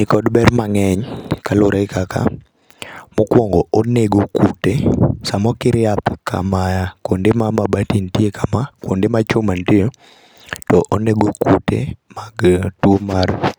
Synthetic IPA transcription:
nɪkɔdbɛrmaŋɛɲkalʊɾʔaɪkaka̰ | mʊkwɔŋɡɔoneɡokutesamɔkɪɾɪapkʰa̰majakwondemamabatintjekamakwondemat͡ʃomantijo | tɔʔoneɡokutḛmaɡtwomar

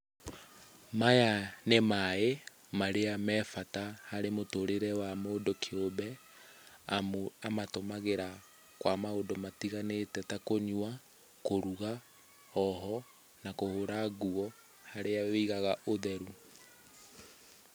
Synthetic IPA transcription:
majanemae | maɾeamɛfatahaɾemotoɾeɾɛwamoːdokʰeoβɛ | amatomaɣeɾa | kwamaodɔmatiɣanetɛtakoɲwa | koɾuɣa | ɔɦɔ | nakohoɾaɣuɔ | haɾeaweiɣaɣaʔoðɛɾu

